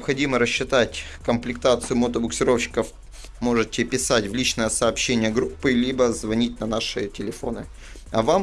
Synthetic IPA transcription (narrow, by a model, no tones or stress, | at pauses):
ɪpxɐdʲiməɾəɕːɪt̪atʲ | kəmplʲɪkt̪at̪sɨjʊmət̪əbʊksʲɪɾo̞fɕɪ̥kəf | mo̞ʐɨtʲɪpʲɪsatʲvlʲit͡ɕnəjəsɐːpɕːenʲɪjəɡɾupːɨlʲibəzvɐnʲitʲnɐnaʂɨtʲɪlʲɪfo̞nɨ̰ | ɐvam